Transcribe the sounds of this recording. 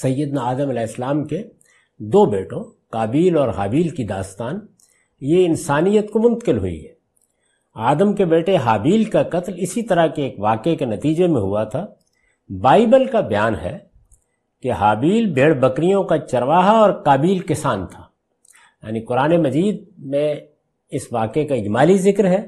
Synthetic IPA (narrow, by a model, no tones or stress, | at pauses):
sɐjːəd̪naaːd̪əmɐlɛːɪslaːmke | d̪oːbeːʈõkaːbiːlɔːɾɦaːbiːlkid̪aːst̪aːn | jeɪnsaːnijət̪komʊ̃nt̪ə̥kɪlɦʊ̰ḭɦɛː | aːd̪əmkebeːʈeɦaːbiːlkakɐt̪lɪsit̪ɐɾəɦkeeːkʋaːkekenɐt̪iːd͡ʒemẽɦʊ̰at̪ʰaː | baːibəlkabɐjaːnɦɛ̰ | keɦaːbiːlbʱeːɽbɐkɾijõkat͡ʃɐɾʋaːɦaɔːɾkaːbiːlkɪsaːnt̪ʰaː | ja̰ːnikʊɾaːnemɐziːd̪̚mẽ | ɪsʋaːkekaɪd͡ʒmaːlizɪkɾɦɛː